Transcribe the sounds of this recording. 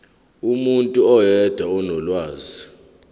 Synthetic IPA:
umuntʼuɔjɛd̥ʱaɔnɔlwaːzi

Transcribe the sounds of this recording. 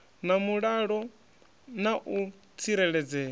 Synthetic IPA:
namuɺaɺɔ | naʔu | t͡sʰiɾɛɺɛd͡zɛː

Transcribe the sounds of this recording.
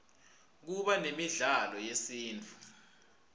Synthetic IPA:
k̬uɓanemiɮalɔjesiːnt͡fʰʼu̥

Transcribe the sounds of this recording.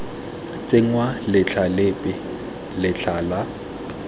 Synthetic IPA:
t͡sʼeŋwalɪt͡ɬʰalɪpʼɪ | lɪt͡ɬʰaːla

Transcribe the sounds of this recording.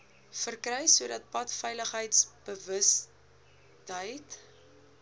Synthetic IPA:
fərkrəjsuədɐt̚pɐtfɛjləχɦəjtsb̥əvəs | tɦəjt

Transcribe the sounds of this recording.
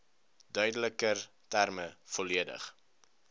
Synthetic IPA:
dœɥdələkər | tærməfɔliədə̰χ

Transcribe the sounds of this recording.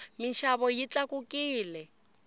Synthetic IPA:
miʃaβɔjit͡ɬakukiːlɛ

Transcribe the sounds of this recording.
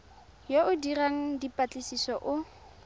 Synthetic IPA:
joʔʊdiraŋ̩dipʼat͡ɬʼɪsisɔʔʊ

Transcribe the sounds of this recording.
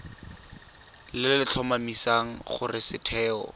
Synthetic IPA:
lɪllɪt͡ɬʰɔmamisaŋ̩χʊrɪsɪtʰɛːɔ̰

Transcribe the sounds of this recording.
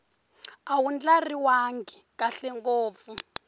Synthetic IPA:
awund͡ɮariwaŋɡʱikaɬɛŋɡoːp̪fu

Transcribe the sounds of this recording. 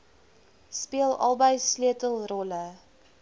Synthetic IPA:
spiəlˠʔɐ̰lˠbəjsløətəlˠrɔlə

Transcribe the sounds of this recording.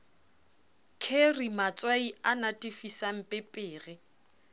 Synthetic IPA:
kʰerimat͡sʼwaianatʼifisam̩pʼɪpʼɪːrɪ

